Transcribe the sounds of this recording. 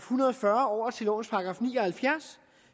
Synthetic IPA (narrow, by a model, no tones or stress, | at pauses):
hunɐð̩ˠfɶɐɒːt͡sʰe̝lo̰ːn̩spʰɑ̈ɡ̥ʁɑ̈ːfnḭːɒhælfjæɐ̰s